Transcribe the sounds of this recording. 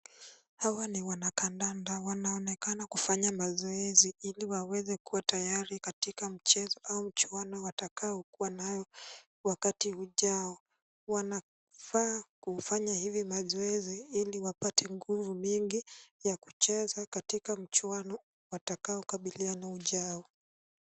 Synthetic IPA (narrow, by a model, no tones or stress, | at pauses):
hawaniwanakandandawanaɔnɛkanakufaɲamazɔɛziiliwawɛzɛkuwatajaɾikatikam̩t͡ʃɛzɔʔaum̩t͡ʃuanɔwatakaɔkuwanajɔ | wakatiuʄaɔ | wana | faːkufaɲahivimazɔɛziiliwapatʰɛŋɡuvumiŋɡijaku̥t͡ʃɛzakatikam̩t͡ʃuanɔ | watakaɔkaɓilianauʄaɔ